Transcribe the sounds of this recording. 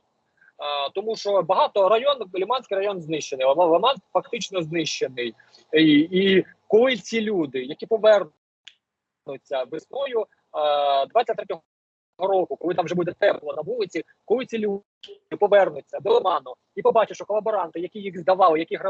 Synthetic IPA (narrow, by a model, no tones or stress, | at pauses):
t̪ɔmuʃt͡ʃɔbɐɦɑt̪ɔɾɐjɔnlʲimɑnʲsʲkɪjɾɐjɔnznɪʃt͡ʃenɪjˠlˠɐmɑnfɐk̚t̪ɪt͡ʃnɔznɪʃt͡ʃenɪj | i | kɔlˠɪt͡sʲilʲud̪ɪjɐkʲipɔʋɛr | nʊt͡sʲːɐʋɪsnɔjʊ | d̪ʋɑt͡sʲɐt̪ɾɛtʲɔɦ | ɦɔɾɔkʊkɔlˠɪt̪ɑmʒɛbud̪ɛt̪ɛplˠɔnɐbulˠɪt͡sʲi | kɔlˠɪt͡sʲilʲu | ɪpɔʋɛrnʊt͡sʲːɐd̪ɛlˠɪmɑnɔ | ipɔbɑt͡ʃɪʃt͡ʃɔkɔlˠɐbɔɾɑnt̪ɪjɐkʲijixzd̪ɐʋɑlˠɪjɐkʲiɦɾɐ